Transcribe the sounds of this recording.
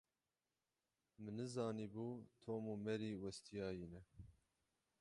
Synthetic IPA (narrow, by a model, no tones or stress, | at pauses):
mɨnɨzɑːniːbuːt̪ʰoːmuːmɛɾiːwɛst̪ʰijɑːjiːnɛ